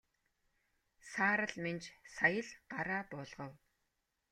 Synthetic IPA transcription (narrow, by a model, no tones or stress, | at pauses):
saːɾə̆ɮment͡ɕsajə̆ɮɢ̥aɾaːpʊːɮʁə̆w